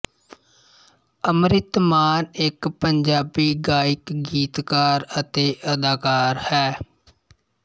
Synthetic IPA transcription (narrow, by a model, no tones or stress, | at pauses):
əmɾɪt̪maːnɪkpəɲd͡ʒaːbiːɡaːɪkɡiːt̪kaːɾət̪eːʔəd̪aːkaːɾhɛː